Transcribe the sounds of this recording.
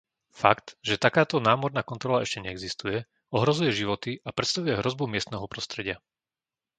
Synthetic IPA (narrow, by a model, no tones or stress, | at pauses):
fakt̪ʒɛt̪akaːt̪ɔnaːmɔɾnaːkɔnt̪ɾɔlaɛʃcɛɲɛɛɡzist̪ujɛ | ɔɦɾɔzujɛʒiʋɔt̪iʔapɾɛt̪st̪aʋujɛɦɾɔzbumɪɛst̪nɛːɦɔpɾɔst̪ɾɛɟɪa